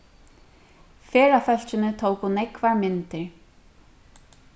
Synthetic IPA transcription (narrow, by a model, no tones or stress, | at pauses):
fɛːɾafœl̥t͡ɕʏnʏt̪ʰoːwkunejkvaɾmɪnt̪ɪɾ̥